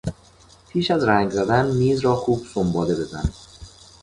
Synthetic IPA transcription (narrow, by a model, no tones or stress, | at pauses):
pʰiːʃæzɾæːŋɡzæd̪ænmiːzɾɒːxuːb̥sombɒːle̞be̞zæ̰n